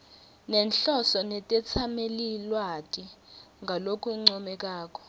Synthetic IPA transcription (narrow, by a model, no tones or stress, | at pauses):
nɛnɬɔsɔnɛtʼɛt͡sʰamelilwatʼiŋɡʱalokʰʼuŋ͡ǀɔmɛk̬ʼaːk̬ʼɔ̥